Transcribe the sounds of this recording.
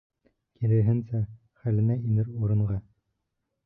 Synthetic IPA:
kilɘ̆ɾɦɘnsæ | χælɘ̆næinɘɾuɾɤ̆ɴɢɑ

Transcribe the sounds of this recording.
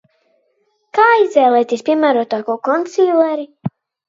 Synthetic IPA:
kaːizvɛːlˠɛjt̪ʲiɛspʲiɛmæːɾuɔt̪aːkɔkɔnt̪siːlˠɛɾi

